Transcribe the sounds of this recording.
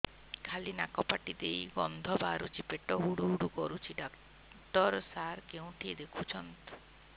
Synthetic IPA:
kʰalinakɔpaʈid̪ejɡɔnd̪ʱɔbaɾut͡ʃʰipeʈɔɦuɽuɦuɽukɔɾut͡ʃʰiɖa | ʈɔɾsaɾkeũʈʰid̪ekʰut͡ʃʰɔnt̪

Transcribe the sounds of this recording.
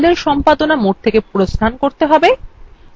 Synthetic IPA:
d̪eɾʃɔmpad̪onamoʈ̚t̪ʰekepuɾost̪ʰankoɾt̪eɦɔbe

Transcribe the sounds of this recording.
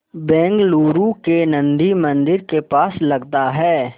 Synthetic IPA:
bɛ̃ːŋɡluːɾukenɐ̃nd̪imɐ̃nd̪ɪɾkepaːslɐɡt̪aɦɛː

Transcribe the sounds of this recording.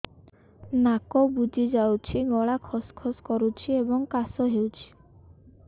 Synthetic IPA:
nakɔbud͡ʒʱid͡ʒawt͡ʃʰiɡɔɭakʰɔskʰɔskɔɾut͡ʃʰiebɔŋkasɔɦewt͡ʃʰi̥

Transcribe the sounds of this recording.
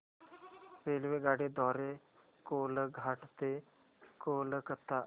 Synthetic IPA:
peːlʋeɡaːɽed̪ɔːɾe | koːləɡʱaʈt̪e | koːləkət̪a

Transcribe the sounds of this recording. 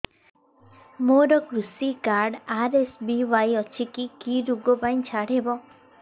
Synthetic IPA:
moɾɔkɾusikaɾɖaɾesbiʋajɔt͡ʃʰikikiɾuɡopaj̃ĩt͡ʃʰaɽɦebɔ

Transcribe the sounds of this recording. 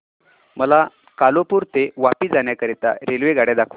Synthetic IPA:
məla | kalopuːɾt̪eʋapiːd͡zaɳjakəɾit̪a̰ɾelʋeɡʱaɽed̪akʰʋu

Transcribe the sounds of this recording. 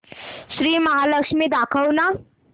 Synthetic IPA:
ʃɾiːmɐɦaːlɐkʂmid̪akʰəwna

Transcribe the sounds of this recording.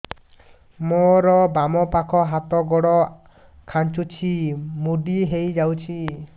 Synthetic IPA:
mɔɾɔbamɔpakʰɔɦat̪ɔɡɔɽɔ | kʰant͡ʃut͡ʃʰimuɖiɦejd͡ʒawt͡ʃʰi

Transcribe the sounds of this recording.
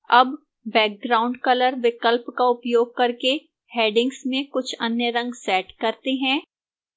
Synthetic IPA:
ɐ̰b | bɛːk̚ɡɾaːʊ̃ɳɖkɐləɾʋɪkəlpkaʊpjoːɡ̚kɐɾke | heːɖɪ̃ŋɡsmẽkʊt͡ʃʰɐnjəɾɐ̃ŋɡsɛːʈkɐɾt̪eɦɛ̃ː

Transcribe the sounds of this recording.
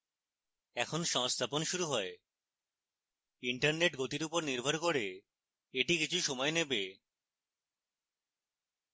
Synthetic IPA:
ɛkʰonʃɔŋst̪ʰaponʃuɾuɦɔe | iɳʈaɾneʈɡot̪iɾupoɾniɾbʱoɾkoɾe | eʈikit͡ɕʰuʃɔmɔenebe

